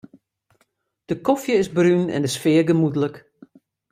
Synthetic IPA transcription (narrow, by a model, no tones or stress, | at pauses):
d̥əkɔfjəɪzbrynɛ̰ndəsfɪəɡəmudələk